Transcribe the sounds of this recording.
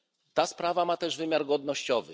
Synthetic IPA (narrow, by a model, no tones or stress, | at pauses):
t̪aspɾavamat̪ɛʐvɘmʲjaɾɡɔd̪nɔɕt͡ɕɔvɘ̰